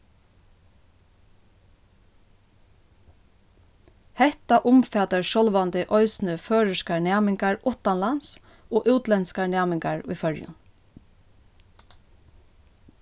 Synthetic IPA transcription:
hɛht̪aʔʊmfɛːt̪aɹʃɔlʋant̪ɪʔɔʏsnəføːɹɪskaɹnæːmɪŋkaɹʊht̪anlans | oːʔʉːt̪lɛnskanæːmɪŋkaɹʊ̰jfœɹjʊ̰n

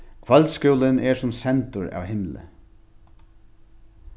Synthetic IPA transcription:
kʰʋœlskuːlɪnɛɹsʊmsɛnt̪ʊɹa̰ːwhɪmlə̰

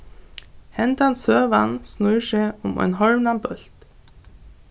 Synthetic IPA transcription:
hɛnt̪ansøːʋansnʊʃeʊmɔ̰ɪnhɔɹmnanbœl̥t̪

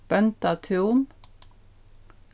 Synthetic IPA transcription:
b̥œnt̪ɑt̪ʰuːm

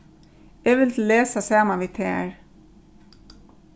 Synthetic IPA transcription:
ɛːʋɪlt̪ʰleːsasɑːmaʋiːt̪ʰɛːɹ

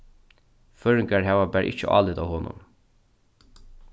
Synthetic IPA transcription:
fœːɹɪŋkaɹɦæːʋabæːɾʔɪ̰t͡ʃəʔɑ̰ːlɪt̪a̰ːwhɔnʊ̰m

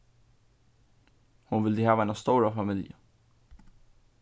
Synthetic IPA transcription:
hʊnʋɪld̪ehæːʋænɑst̪oːɾəfɑmiljə

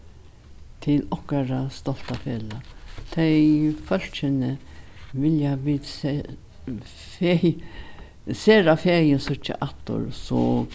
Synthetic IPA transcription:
t̪ʰɪlɔhkaɾast̪ɔl̥t̪afeːlat̪ʰɛfœl̥t͡ʃɪnə | ʋɪljaʋiːd̪s | fe | seːɾafeːjənsʊt͡ʃːa̰ʔat̪ːʊ̰ɾsɔ

